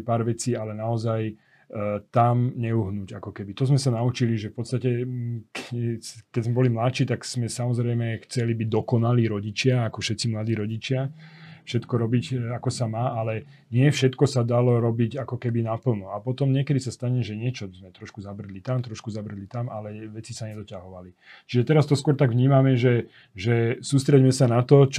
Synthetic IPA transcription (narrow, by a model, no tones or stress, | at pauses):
paːɾʋɛt͡siːalɛnaɔzaj | t̪amɲɛuɦnuːɟakɔkɛbit̪ɔzmɛsanaut͡ʃiliʒɛfpɔt̪st̪acɛk | kɛzmɛbɔlimlat͡ʃiːt̪aɡz̥mɛsamɔzɾɛjmɛxt͡sɛlibiɟd̪ɔkɔnaliːɾɔɟit͡ʃɪaakɔfʃɛt̪t͡simlad̪iːɾɔɟit͡ʃɪafʃɛt̪kɔɾɔbicakɔsamaːʔalɛ | ɲɪɛfʃɛt̪kɔsad̪alɔɾɔbiɟakɔkɛbinapl̩ˠnuapɔt̪ɔmɲɪɛkɛd̪isast̪aɲɛʒɛɲɪɛt͡ʃɔzmɛt̪ɾɔʃkuzabr̩d̪lit̪amt̪ɾɔʃkuzabr̩lit̪amʔa̰lɛʋɛt͡sisaɲɛd̪ɔcaɦɔʋali | t͡ʃiʒɛt̪ɛɾast̪ɔskʊɔɾt̪aɡʋɲiːmamɛʒɛ | ʒɛsuːst̪ɾɛɟmɛsanat̪ɔt͡ʃ